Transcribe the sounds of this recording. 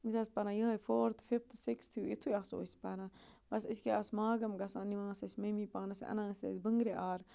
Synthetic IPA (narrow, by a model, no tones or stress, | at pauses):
isɐspɐɾãːjəɦɐjfoːɾt̪ʰfift̪ʰsikst̪ʰjuit̪ʰujaːso̰ːspɐɾãbɐsiskeasmaːɡɐmɡɐsãniʋãːsɐsʲmɐmiːpaːnɐsʔɐ̰nãːsḛsbəŋɡɾeʔaːɾ